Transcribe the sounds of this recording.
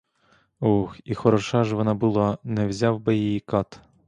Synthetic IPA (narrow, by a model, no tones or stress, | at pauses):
uxixɔɾɔʃɑʒʋɔnɑbʊlˠɑnɛwzʲɑwbɛjijikɑt̪